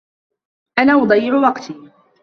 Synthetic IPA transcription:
ʔanaːwɑd̪ˤɑjːɪʕʊwɑqt̪ʰiː

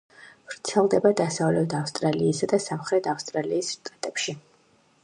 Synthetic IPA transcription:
pɾt̪sʰɛlˠd̪ɛbad̪asavlɛt̪ʰafst̪ʼɾaliːsad̪asamχɾɛt̪ʰafst̪ʼɾaliːsʃt̪ʼat̪ʼɛpʃi

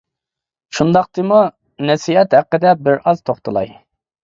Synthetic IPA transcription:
ʃund̪ɑqt̪ʰɨmu | nɛsiɛt̪hæqːəd̪ɛbɪɾɑz̥t̪ʰoχt̪ʰɨlˠɑ̰j

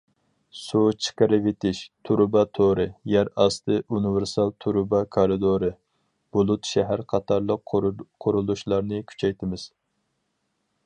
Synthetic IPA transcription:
sut͡ʃʰi̥qəɾɨvet̪ʰɪʃt̪ʰuɾbɑt̪ʰoɾɨjæɾɑst̪ʰɨʔunɨvɪɾsɑlˠt̪ʰuɾubɑkʰɑɾɨd̪oɾɨ | b̥olˠut̪ʃɛɦæɾqʰɑt̪ʰɑɾlˠəqqʰoɾulˠuʃlˠɑɾnɨkʲʰy̥t͡ʃʰɛjt̪ʰɪmɪz̥

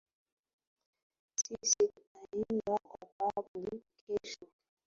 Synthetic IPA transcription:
sisiunainakɔkablikʰɛʃɔ

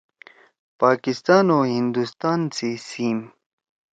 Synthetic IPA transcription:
paːkist̪aːnohind̪ust̪aːnt͡sisim

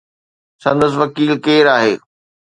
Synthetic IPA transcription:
sɐ̃nd̪əs̬ʋɐkiːlkeːɾaːɦḛː

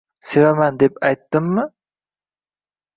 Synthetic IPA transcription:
sevamænd̪epɑjt̪ːɨmːɪ

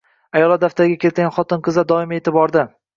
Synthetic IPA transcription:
ajɒlˠad̪aft̪aɾɪɡʲakʲe̞ɾt̪ɡʲanχɒt̪ɪnqʰɨzad̪ɒɪmet̪ɪbɒɾd̪ɪ

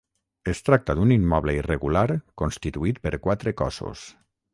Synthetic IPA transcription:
est̪ɾak̚t̪aðunimːɔβləireɣulaɾkonst̪it̪uit̪̚pəɾkwat̪ɾekɔ̰so̰s

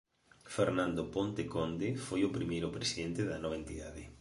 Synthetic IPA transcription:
feɾnãnd̪opont̪ekond̪efojʊpɾimejɾʊpɾesiðent̪ɪðɐnɔβɐẽnt̪iðaðɪ

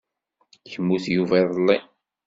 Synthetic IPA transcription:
çəmːuθjuvæðˤlːi

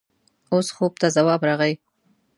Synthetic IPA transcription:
osxob̚t̪azawɑbɾɑɣaj

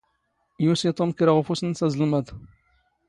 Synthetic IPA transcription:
jusit̪ˤomkɾaʁfusnsæzəlməd̪

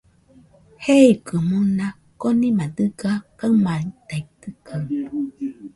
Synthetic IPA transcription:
heikɯmuna | konĩmãd̪ɨɡakaɯmãit̪ait̪ɯka

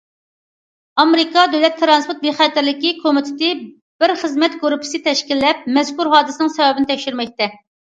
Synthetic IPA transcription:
ɑmɾɪkʰɑd̪øwlɛt̪ʰːɾɑnspʰʊɾt̪̚veχɛt̪ɪɾlɪkʲikʰomɪt̪ʰɪ̥t̪ɪ | b̥ɪɾχəzmɛt̪ɡoɾupʰɪ̥sɨt̪ʰɛʃkʲilːɛp̚mɛskuɾɦɑːd̪ɨsɪnɪŋsɛwɛbɪnɪt̪ʰɛkʲʃyɾmɛk̚ʲt̪ɛ

